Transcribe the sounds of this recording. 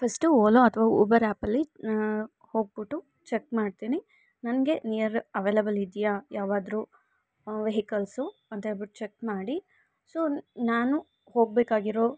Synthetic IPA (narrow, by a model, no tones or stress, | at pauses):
pʰɐsʈuoːloɐt̪ʰɐʋaːṵːbɐɾaːpɐlːi | ho̞ːɡ̚biʈːu | t͡ʃekmaːɖ̚t̪iːni | nɐnɐɡe̞nijɐɾɐʋeːlɐbɐlid̪ijajaːʋaːd̪ɾuː | ʋeɦikɐlsuɐnt̪ebiʈːut͡ʃekmaːɽi | so̞ːnaːnu | ho̞ːɡ̚beːkaːɡiɾoː